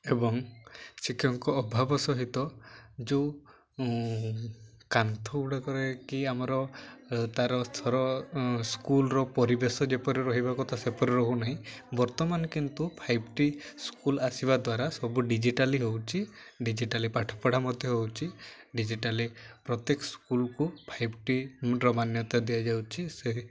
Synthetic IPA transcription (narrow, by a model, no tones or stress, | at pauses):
ebɔŋsikʰɔŋkɔːbʱabɔsɔɦit̪ɔd͡ʒew | kant̪ʰɔuɽakɔɾekiamaɾɔt̪aɾɔt̪ʰɔɾɔskulɾɔpɔɾibesɔd͡ʒepɔɾiɾɔɦibakɔt̪ʰasepɔɾiɾɔɦunaɦĩbɔɾt̪ɔmanɔkint̪upʰajbʈiskulasiβad̪waɾasɔbuɖid͡ʒiʈaliɦowt͡ʃʰiɖid͡ʒiʈalipaʈʰɔ̥pɔɽ̤amɔd̪ʱjɔɦowt͡ʃʰi | ɖid͡ʒiʈalipɾɔt̪ekɔskulkupʰajbʈiɾɔmanjɔt̪ad̪ijad͡ʒawt͡ʃʰiseɦi